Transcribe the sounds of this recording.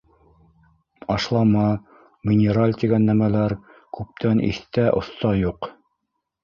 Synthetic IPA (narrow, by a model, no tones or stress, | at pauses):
ɑʃlˠɑmɑ | mʲinʲeɾalʲt̪ʲiɡænːæmælæɾ | kʉp̚t̪ænʔḭθt̪æʔŏ̰θt̪ɑjuq